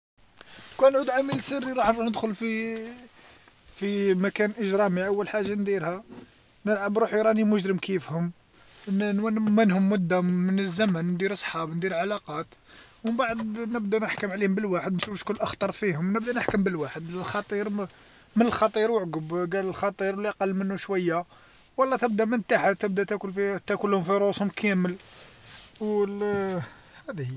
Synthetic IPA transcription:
kænʕud̪ʕamilsərːiɾˤɑħnɾnəd̪xʊlfi | fimækænʔəʒɾˤɑmiʔəwːəlħaʒːand̪iɾhæ | nəlʕəbɾuħjɾˤɑnimʊʒɾəmkifhʊm | nnwænmənhʊmːʊd̪ːaːənəzːæmænnd̪iɾsˤħɑbnd̪iɾlʕalɑqɑt̪mənbaʕəd̪nəbd̪ænəħkəmʕlihʊmbəlwaħəd̪nʃufʃkʊlːʔɑxt̪ˤɑɾˤfihʊmnəb̚d̪ænəħkəmbəlwaħəd̪lxɑt̪ˤiɾ | mənəlxɑt̪ˤiɾwəʕɡəbɡæləlxɑt̪ˤiɾwliʔɑqɑlːmənːuʃwæjːa | wɑlˤːɑt̪əb̚d̪æmənt̪aħat̪əb̚d̪æt̪ækʊlfit̪ækʊlːhʊmfiɾˤoshʊmkʰæməl | wl | hæd̪h

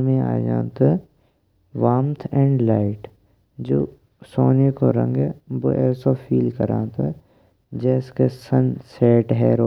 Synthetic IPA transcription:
mẽa̰ːd͡ʒã̰ːt̪ə | ʋaːmt̪ʰɛ̃ːɳɖlaːɪʈ | d͡ʒoː | soːnekoɾə̰̃ŋɡɛboʔɛːsofʰiːlkəɾã̰ːt̪ə | d͡ʒɛːskesənsɛːʈɦɛːɾoː

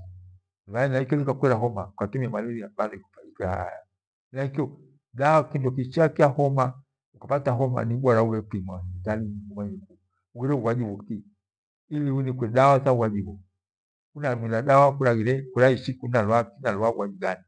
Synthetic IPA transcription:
wainaikɛlikakwɛɾaɦɔmaukatumiamalɛɾiabalɔiku̥faikaha̰ja | naikiɔ | dawakindɔk̬it͡ʃiakiahɔma | ukapataɦɔma̰niɓwaɾauɾɛpimaspitalimiɡumaɲiku | uɣiɾɛuwad͡ʒiwuki | iliunikwɛɗawazauwadiwɔ | unamilaɗawakuɾaɣiɾɛkuɾaiʃikunalwakinalwauɡwad͡ʒiɡani

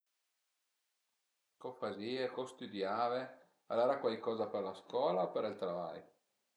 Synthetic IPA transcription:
kopaziːekost̪ud̪jaːve | a̰laɾakwalkɔːzaperlaskwɔːlaopeɾilt̪ɾava̰j

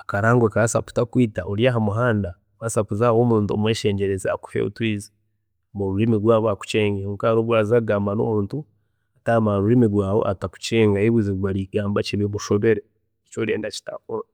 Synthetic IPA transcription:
akaɾaːŋɡwekasapu̥takwiːtaʔoɾjaɦamuɦaːnda | wasapuzawoːmuːntuo̰mweːʃeːɲɟeɾezea̰ku̥fḛṵtwiːzi | muɾuɾimiɡwaːβaku̥t͡ʃeːŋɡeŋkaɾoβwaːzaɡaːmbano̰muːntu | atamaɾuɾimiɾwaːβo̞̰ʔataku̥t͡ʃeːŋɡaiβiziwaɾiɡaːmbat͡ʃiβeβuʃo̞βe̞ɾe | t͡ʃoɾḛːndaci̥ta̰koɾa

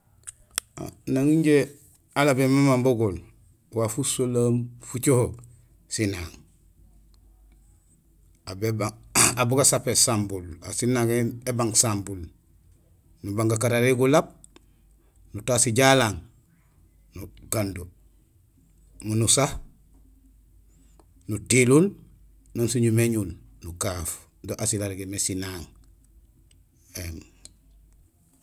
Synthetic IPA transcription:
naŋiɲɟe | alabemamamboɡol | wafusolamfut͡ʃohok | sinaːŋ | abebaabuɡasapesambulasinaŋeebaŋsambul | nubaŋɡakaɾaɾeɡulab̚ | nutaːsiɟalaːŋ | nuɡ̥andu | munusah | nutilul | nonsuɲumeɲulnukaf | doʔasilaɾɡemesinaːŋ | eŋ

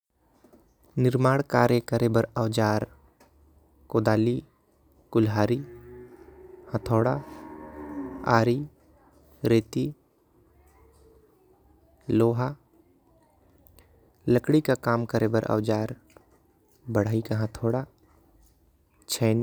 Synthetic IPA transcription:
nɪɾmaːɽ̃kaːɾjəkəɾebəɾəʋd͡ʒaːɾ | koːd̪aːli | kʊlɦaːɾi | hət̪ʰoːɽa | aːɾi | ɾeːt̪i | loːɦa | ləkɽikakaːmkəɾebəɾʔə̰ʋd͡ʒaːɾ | bəɽ̤aːikaɦə̃t̪ʰoːɽa | t͡ʃʰɛːn

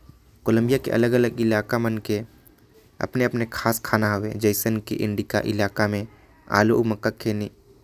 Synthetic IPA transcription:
koːlə̃mbijakḛʔɐ̰ləɡələɡɪlaːkamənke | ɐ̰pneɐpnekʰaːskʰaːnaɦoʋḛd͡ʒəːɪsənkḭʔɪ̰̃ɳɖika̰ʔɪlaːkamẽ | a̰ːloʔuməkːakʰeːni

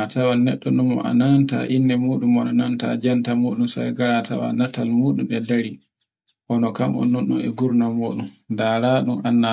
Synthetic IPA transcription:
atawanɛɗːɔɗumɔ̰ʔa̰nanta̰ʔinːɛmuːɗumɔnɔnanta̰d͡ʒantamoːɗumsa̰jɡaɾatawa̰natalmuːɗumɛdaɾi | ʔɔnɔkamɔ̰nːunɗɔ̰nɛ̰ɡuɾnamoːɗumdaɾaːɗumʔanːa

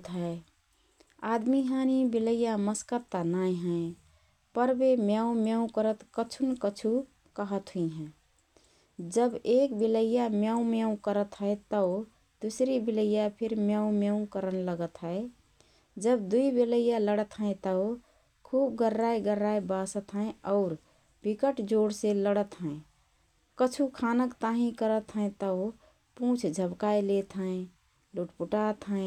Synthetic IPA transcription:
t̪ɦəe | ad̪miɦanibiləjːaməskəɾt̪anaj̃ɦə̃ẽ | pəɾbemjaũmjaũkəɾət̪kət͡ʃʰunkət͡ʃʰu | kəɦət̪ɦuiɦɛ̃ | d͡ʒəbekbiləjamjaũmjaũkəɾət̪ɦəet̪ə | d̪usɾibiləjapʰiɾmjaũmeũkəɾənləɡət̪ɦəe | d͡ʒəb̚d̪uibiləjaləɽət̪ɦə̃ɪ̃t̪əʊ | kʰub̚ɡəɾːajɡəɾːajbasət̪ɦə̃ẽɔʊɾ | b̥ikəʈd͡ʒoɽseləɽət̪ɦə̃ɪ̃ | kət͡ʃʰukʰanəkt̪aɦĩkəɾət̪ɦə̃ẽt̪əʊ | pũt͡ʃʰd͡ʒʱəbkajlet̪ɦə̃ẽ | luʈpuʈat̪ɦə̃

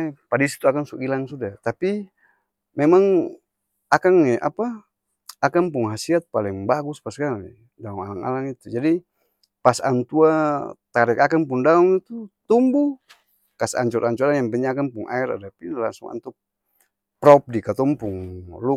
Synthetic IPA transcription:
padaisi̥t̪uakaŋsuʔɡilaŋsudat̪api | mɛmaŋ | akaŋɛʔa̰pa | akaŋpuŋɦasiat̪̚paliŋbaɡuspaskaŋɛ̰ | daɔŋalaŋa̰laŋit̪ud͡ʒadi | pasa̰nt̪uat̪aɾɛkakaŋpundaɔŋit̪ut̪umbu | kasa̰ɲt͡ʃɔɾaɲt͡ʃɔɾaŋjaŋpɛɲakaŋpuŋʔa̰ɛɾa̰dapinlaŋsuŋa̰nt̪u | pɾɔp̚dikat̪ɔmpuŋlu

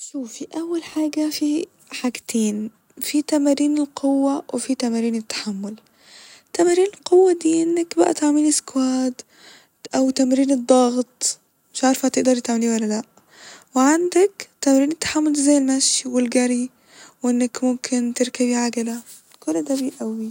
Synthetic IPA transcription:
ʃuːfiʔawːalħaːɡafi | ħaɡt̪ʰeːn | fit̪amaɾiːnɪlqʰʊwːawʔɪfit̪amaɾiːnɪt̪ːḁħamːʊl | t̪amaɾiːnɪlqʊwːad̪iːʔɪnːakbaʔa̰t̪aʕmɪnɪskwaːd̪ | ʔawt̪amɾiːnɨd̪ˤːɑɣt̪ˤ | mɪʃʕaɾfhat̪ɪʔd̪ɑɾˤt̪ɪt̪ʕamliːnwalːalaʔ | wɪʕand̪akt̪amaɾiːnɪt̪ːḁħamːʊlzajːɪlmaʃwɪlɡaɾi | wʔɪnːakmʊmkʰɪnt̪ɪɾkabiʕaɡala | kʊlːd̪aːbiʔawi

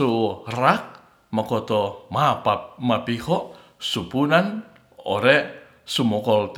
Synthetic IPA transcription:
urak̚ | makɔt̪ɔmapamapihɔʔ | supunan | o̰ɾɛʔ | sumɔkɔlt̪

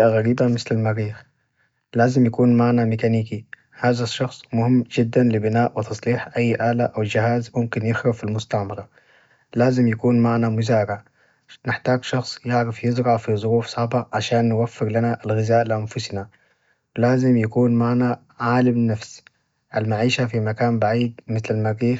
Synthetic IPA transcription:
ʔaɣaɾiːbamɪslalmaɾiːx | laːzɪmjakuːnmaʕnamɪkaniːki | haːzaʃːɑxsˤmʊhɪmːd͡ʒɪd̪ːanlɪbɪnaːʔwɪt̪ɑsˤliːħʔajːʔaːlaʔawd͡ʒɪhaːzmʊmkɪnjɪxɾafilmʊst̪aʕmɑɾˤɑ | laːzɪmjakuːnmaʕnamʊzaːɾaʕ | nɪħt̪aːɡʃɑxsˤjɪʕɾafjɪzɾɑʕfizˤʊɾuːfsˤɑʕbaʕaʃaːnːɪwafːɪɾlanaʔalɣɪzaːʔlɪʔanfʊsna | laːzɪmjakuːnmaʕna | ʕaːlamnafs | ʔalmaʕiːʃafimakaːnbaʕiːd̪mɪθlalmaɡiː

